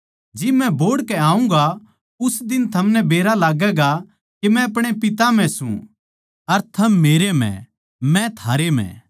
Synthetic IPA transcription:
d͡ʒɪmɛ̃boːɽkɛaːũŋɡa | ʊsd̪ɪnt̪ʰɐmnɛbeːɾalaːɡɛɡa | kemɛ̃ɐpɽ̃epɪt̪am̤ɛ̃sṵ̃ | ɐɾt̪ʰɐmːeːɾemɛ̰̃ | mɛ̃t̪ʰaːɾem̤ɛ̰̃

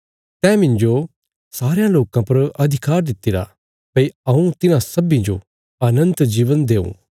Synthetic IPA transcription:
t̪ɛːmɪ̃nd͡ʒo | saːɾejãloːkãpɐɾɐd̪ʱɪkaːɾd̪ɪt̪ːɪɾa̰ | pɐiɐũt̪ɪnãsɐbĩd͡ʒo | ɐnə̃nt̪d͡ʒiːʋənd̪eːṵ̃

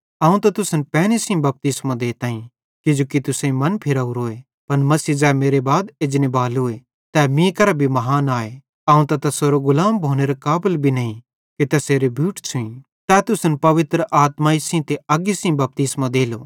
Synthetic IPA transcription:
ɐːũt̪ɐt̪ʊsnpɛːnesĩbɐp̚t̪ɪsmãd̪eːt̪aːĩ | kɪd͡ʒoːkit̪ʊsãĩmɐnpʰɪɾaːuɾoːe | pɐnmɐsiːd͡ʒɛːmeːɾebaːd̪ed͡ʒnebaːloːe | t̪ɛːmĩkɐɾabʱimɐɦaːnaːe | ɐːũt̪ɐt̪ɐsoɾoɡʊlaːmbʱoːneɾakaːbɪlbʱinɐĩ | kit̪ɐseːɾebʱjuːʈt͡ʃʰuĩ | t̪ɛːt̪ʊsnpɐʋɪt̪ɾəʔaːt̪maisĩt̪eɐɡisĩbɐp̚t̪ɪsmãd̪eːlo̰

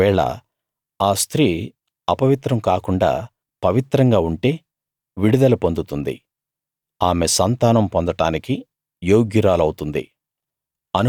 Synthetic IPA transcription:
ɛːɭɐ̰ | aːst̪ʰɾiː | ɐpɐʋit̪ɾɐmkaːkuɳɖa̰ː | pɐʋit̪ɾɐŋɡaːuɳʈe̞ː | ʋiɽud̪ɐlupond̪ut̪und̪ḭ | aːmesɐnt̪aːnɐmpond̪ɐʈaːniki | joːɡjiɾaːlɐwut̪und̪ḭ | ɐnu

